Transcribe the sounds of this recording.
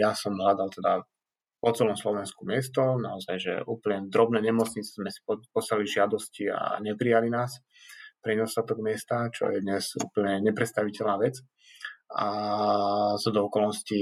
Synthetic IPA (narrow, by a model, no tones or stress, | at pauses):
jasɔmɦlad̪alt̪ɛd̪a | pɔt͡sɛlɔmslɔʋɛnskumɪɛst̪ɔna̰ɔzajʒɛ̰ʔuːpl̩ɲɛd̪ɾɔbnɛːɲɛmɔt͡sɲit͡sɛzmɛsi̥pɔsaliʒɪad̪ɔscia̰ɲɛpɾijalinaːs | pɾɛɲɛd̪ɔst̪at̪ɔɡmɪɛst̪at͡ʃɔ̰jɛd̪ɲɛzṵːpl̩ɲɛɲɛpɾɛt̪st̪aʋicɛlnaːʋɛt͡s | a | sɔd̪ɔɔkɔlnɔsci